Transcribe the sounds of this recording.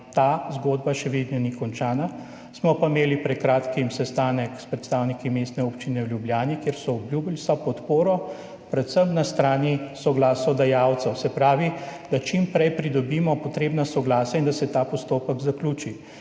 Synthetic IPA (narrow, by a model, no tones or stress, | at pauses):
t̪aːzɡoːd̪baʃɛʋed̪nɔnikɔnt͡ʃaːna | smɔpameːlipɾɛt̪̚kɾaːt̪kimsɛst̪aːnəkspɾɛt̪st̪awnikimeːst̪nɛoːpt͡ʃinɛwljubljaːnikjeːɾsɔɔbljubilsɔpɔt̪poːɾɔ | pɾɛt̪səmnast̪ɾaːnisɔɡlaːsɔd̪ajawt̪sɛwsɛpɾaːʋid̪̥at͡ʃimpɾɛjpɾid̪ɔbiːmɔpɔt̪ɾeːbnasɔɡlaːsaind̪asɛt̪aːpɔst̪oːpəɡzaklʲuːt͡ʃi